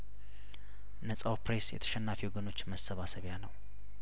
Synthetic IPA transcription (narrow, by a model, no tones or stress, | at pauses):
nəsʼawpɾesjɛ̰t̪ʰə̥ʃɛnːafiwɡɨno̞t͡ʃːməsːəβasəβjanəw